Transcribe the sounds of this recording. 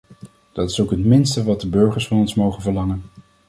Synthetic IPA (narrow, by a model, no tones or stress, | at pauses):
d̥ɑtɪ̥sowkɦətmɪnstəʋɑt̚dəbɵɹχəɹsfɑnɔnsmowχənvəɹlɑŋən